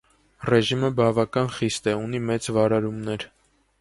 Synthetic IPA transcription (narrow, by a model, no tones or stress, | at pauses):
rɛʒiməbɑvɑkɑnχist̪ɛunimɛt͡svɑɾɑɾumnɛɾ